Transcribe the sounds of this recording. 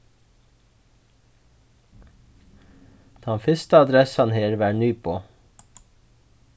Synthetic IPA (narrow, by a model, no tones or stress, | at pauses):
d̪̥ɛnfʏst̪əɑd̪ɾɛsɑnheːɾʋæːɳyːpʰoː